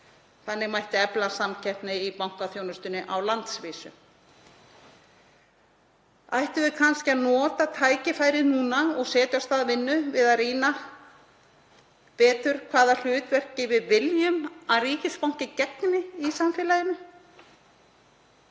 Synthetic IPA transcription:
θanːɪɣmajht̪ɪɛplasamcʰɛhp̪nɪipawŋ̥kaθjoːwnʏst̪ʏnːɪʔawlant̪sviːsʏ̰ | ajht̪ʏvɪðkʰanscɪaðnɔːt̪at̪ʰaːjcɪfaːjɾɪðnuːnaɔɣsɛːt̪jast̪aːðvɪnːʏvɪðaðriːna | pɛːt̪ʏɾ̥kʰvaːðal̥ʏːt̪vɛr̥cːɪvɪðvɪljʏmaðriːcɪspawŋ̥cɪcɛknɪisamfɪːlajɪnʏ

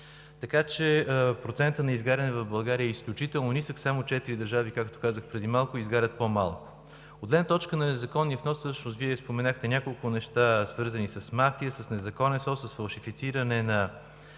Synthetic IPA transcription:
t̪ɐkat͡ʃɛpɾot̪sɛnt̪ənɐizɡaɾʲɐnɛvɐvbɐlˠɡaɾiəɛisklʲʊt͡ʃit̪ɛlˠnonisəxsamot͡ʃɛt̪iɾid̪əɾʒavikakt̪o̥kazəxpɾɛd̪imalˠkʊizɡaɾʲət̪̚pomalˠko̥ | od̪lɛd̪nət̪ɔt͡ʃkənɐnɛzɐkɔnːiəfnɔsɤʃnʊst̪viɛspomɛnaxt̪ɛnʲjakolˠkʊnɛʃt̪asvɤɾzənisəsmafiəsəsnɛzɐkɔnɛsɔsəsfɐlˠʃifit̪siɾənɛnɐ

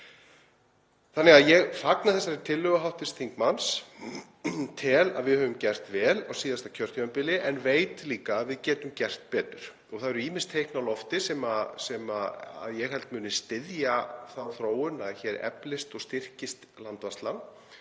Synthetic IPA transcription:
θanːɪɣaðjɛɣfaknaθɛs̬ːaɾɾt̪ʰɪlːʏɣaɦawht̪ɪst̪ʰiŋkmans | t̪ʰɪla̰ðvɪðhœvʏmcɛr̥t̪vɛːlawsiːðast̪acʰœr̥t̪œampɪlɪʔɛnveːjt̪liːkaːðvɪðcɛːt̪ʏmcɛr̥t̪̚pɛːt̪ʏɾ̥ | ɔɣθaðɛɾʏiːmɪn̥st̪ʰejhknawlɔft̪ɪsɛːmasɛmaa̰ðjɛɣɦɛl̥t̪mʏːnɪst̪ɪðjaθawθɾoːwʏnaðçɛːɾɛ̰plɪst̪ɔɣst̪ɪr̥cɪst̪lant̪vast̪lan

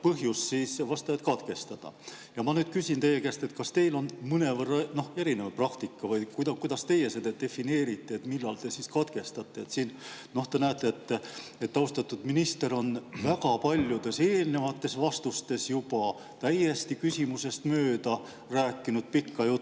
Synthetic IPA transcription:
pɤɦjussiːsvɑst̪ɑet̪kɑd̪̥ke̞st̪ɑd̪̥ɑ̰jɑmɑnyːd̪̥kysʲint̪e̞jekæst̪e̞t̪kɑst̪e̞jlo̞nmɯne̞vɤrːɑno̞heɾinevprɑkt̪ikːɑvɤjkujd̪ɑkujd̪̥ɑst̪e̞je̞sed̪ed̪̥e̞fine̞ːɾit̪ːˑeet̪milːɑlt̪e̞siskɑd̪̥ɡe̞st̪ɑt̪ˑːe̞et̪siːnno̞ht̪enæːt̪ːˑeet̪ːet̪ːɑust̪ɑt̪ːˑud̪minist̪e̞ɾo̞nvækɑpɑlʲjud̪e̞se̞ːlne̞vɑt̪ːe̞svɑst̪ust̪e̞sjupɑ | t̪æjest̪ikysʲimuse̞st̪møːd̪ɑ | ræːkːinud̪̥̚pikːɑjut̪ːˑ

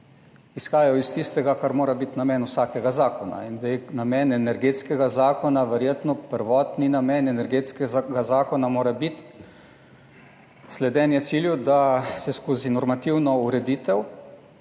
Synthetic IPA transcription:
isxaːjajɔist̪ist̪ɛɡakaɾmoːɾabit̪namɛːnusaːkɛɡazaːkɔna̰ind̪anamɛːnɛnɛɾɡeːt̪skɛɡazaːkɔnaʋɛɾjeːt̪nɔpəɾʋɔːt̪ninamɛnɛnɛɾɡeːt̪skɛɡazaːkɔnamoːɾabit̪ | slɛd̪ɛːnjɛt̪siljud̪asɛskoːzinɔɾmat̪iwnɔuɾɛd̪iːt̪ɛw

